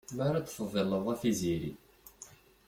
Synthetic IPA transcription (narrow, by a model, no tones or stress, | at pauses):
maɾat͡sːfəðˤːelːəðˤæfiziɾḭ